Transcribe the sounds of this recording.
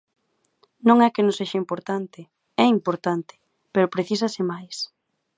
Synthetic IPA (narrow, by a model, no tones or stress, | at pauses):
nõŋɛkɪnõseʃɐimpoɾt̪ant̪ɪ | ɛimpoɾt̪ant̪ɪ̥ | peɾopɾeθisɐsɪmajs